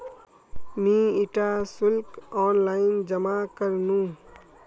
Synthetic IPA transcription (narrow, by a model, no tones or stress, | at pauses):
miiʈasʊlkɔːnlaɪnd͡ʒəmakəɾnũ